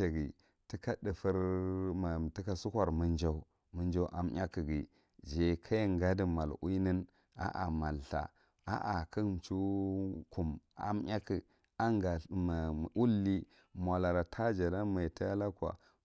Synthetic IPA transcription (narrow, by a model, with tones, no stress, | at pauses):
e˨ɡi˨ | ti˦ka˦də˨fə˦ɾma˨ti˦ka˦su˦kʷa˨ɾmə˨nd͡ʒa˦u˦ | mə˦nd͡ʒa˦u˦ʔa˦mɲʲa˦ki˨ɡi˨ | d͡ʒe˨kʰa˦ŋɡa˦di˨ma˨lṵ˦nə˦n | a̰˨ʔa̰˨ma˨lɬa̰˨ | a̰˦ʔa˨kə˦m˨t͡ʃu˦ku˨ma̰˨mɲʲa˦ki˨ | a˦ŋɡa˨ | ʔu˦lːi˦ | mʷ˨a˨la˨ɾa˨tʰa˦d͡ʒa˨da˦ma˨ta˦ja˦la˦kwa̰˨